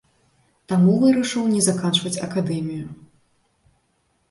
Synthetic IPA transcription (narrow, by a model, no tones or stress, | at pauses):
t̪amuvɨɾɐʂɨwnʲɛzakant͡ʂvɐt͡sʲɐ̰kad̪ɛmʲiju